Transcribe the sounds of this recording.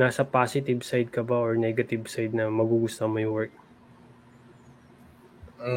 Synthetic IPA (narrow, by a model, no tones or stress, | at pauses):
naːsɐpaːsɪt̪ɪbsajd̪̚kɐbaoɹnɛɡɐt̪ɪbsajd̪̚nɐmɐɡuːɡʊst̪omɐjwɛɹk̚